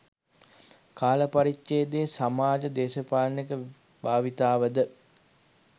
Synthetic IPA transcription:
kaːləpaɾikt͡ʃeːd̪eːsamaːd͡ʒəd̪eːʃəpaːlnikə | baːʋit̪aːʋəd̪ə

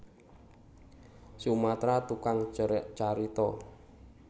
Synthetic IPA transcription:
sumat̪ɾat̪ukaŋt͡ʃt͡ʃaɾit̪ɔ

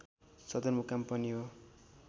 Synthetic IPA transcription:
sʌd̪ʌnmukampʌniɦo

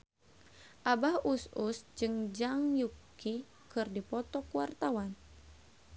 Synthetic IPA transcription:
ʔabahususd͡ʒɨŋd͡ʒaŋjuki | kɨrdipɔt̪ɔkuwart̪awan

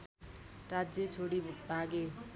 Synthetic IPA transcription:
rad͡zjet͡sʰoɽibuʈ̚ʰbʱaɡe

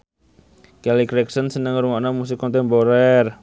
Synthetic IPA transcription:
kɛlikɾɛksənsənəŋɾuŋaʔnamus̬ɪkːɔnt̪ɛmpoɾɛr

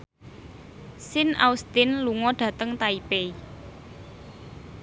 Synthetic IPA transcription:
sɪna̰ust̪ɪnluŋɔɖ̥ä̤t̪əŋt̪aipei

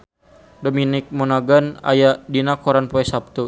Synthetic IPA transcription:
dominik̚mɔnaɡana̰jaʔdinakɔɾanpɔɛsap̚t̪u

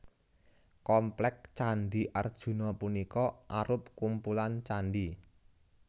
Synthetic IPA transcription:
kɔmplɛk̚t͡ʃanɖiʔard̥ʒ̥ṳnɔpunikɔʔaɾʊp̚kumpulant͡ʃanɖi

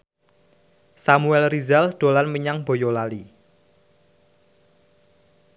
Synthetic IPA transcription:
samuɛlrizald̪̥o̤lanməɲaŋb̥o̤jolali

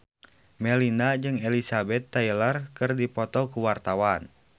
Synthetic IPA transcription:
mɛlinad͡ʒɨŋɛlisabɛt̪ːailarkɨrdipɔt̪ɔkuwart̪awan

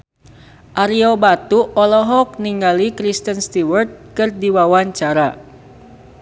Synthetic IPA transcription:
ʔaɾiobat̪uʔɔlɔɦɔk̚niŋɡalikɾist̪ənst̪iwərt̪̚kɨrdiwawaɲt͡ʃaɾa

